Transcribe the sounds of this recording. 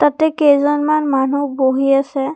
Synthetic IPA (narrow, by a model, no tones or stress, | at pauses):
tatɛkejzɔnmanmanuboɦiasɛ